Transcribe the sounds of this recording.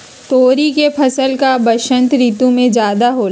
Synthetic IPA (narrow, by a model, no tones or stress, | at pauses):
t̪oːɾikepʰɐsəlkabɐʃə̃nt̪ɾiːt̪ũmẽd͡ʒjaːd̪aɦoːɾ